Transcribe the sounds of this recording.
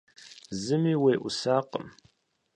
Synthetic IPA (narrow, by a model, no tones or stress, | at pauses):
zɨmiːweːʔʷʊ̰saːqə̰m